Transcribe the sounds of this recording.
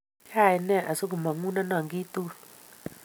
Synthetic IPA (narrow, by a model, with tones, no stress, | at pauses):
t͡ʃa˦˨ji˨nɛ˦˨ʔa˨su˦ku˨ma˨ŋu˦na˦na˨ŋɡi˦t̪u˦